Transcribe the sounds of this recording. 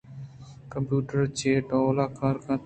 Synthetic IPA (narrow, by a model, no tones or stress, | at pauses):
kə̃mpjuːʈəɾt͡ʃeːʈõːlaːkaːɾkʰãː